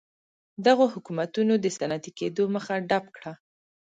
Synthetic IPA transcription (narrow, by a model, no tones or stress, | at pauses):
d̪aɣohʊkumat̪unod̪əsanat̪iked̪oməxaɖapkɽa